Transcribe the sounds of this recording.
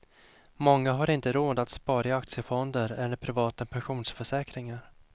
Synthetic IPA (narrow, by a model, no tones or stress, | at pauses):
mɔŋːaɦaɾɪnt̪əɾoːd̪at̪spɑːɾaɪak̚t̪sɪjəfɔnd̪əɾɛlːəpʰɾɪvɑːt̪apʰɛnɧuːnsfœʂɛːkɾɪŋaɾ